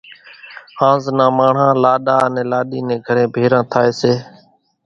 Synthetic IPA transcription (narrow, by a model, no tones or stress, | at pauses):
hãːznãːmaːɳ̤ãːlaːɗaːənẽːlaːɗiːnẽːɡʱəɾẽːbʱeːɾãːt̪ʰaːeːseː